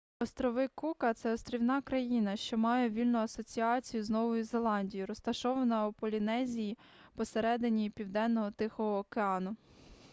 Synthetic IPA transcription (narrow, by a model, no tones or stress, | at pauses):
ɔst̪ɾɔʋɪkukɐt̪sɛɔst̪ɾʲiwnɑkɾɐjinɐʃt͡ʃɔmɑjɛʋʲilʲnʊɐsɔt͡sʲiɑt͡sʲijʊznɔʋɔjʊzelˠɑnʲdʲijʊɾɔst̪ɐʃɔʋɐnɐupɔlʲinɛzʲiji | pɔseɾɛd̪ɪnʲijipʲiwd̪ɛnːɔɦɔt̪ɪxɔɦɔːkeɑnʊ